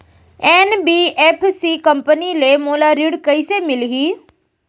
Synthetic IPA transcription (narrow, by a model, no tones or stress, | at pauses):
ɛːnbiːeːpʰsikɐ̃mpənilemoːlaɾiɽkɐisemɪlɦiː